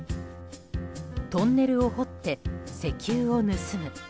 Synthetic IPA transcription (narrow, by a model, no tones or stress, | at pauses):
t̪õ̞nːe̞ɾɯ̟o̞ho̞t̪ːe̞se̞kʲɨːo̞nɯsɨmɯ̟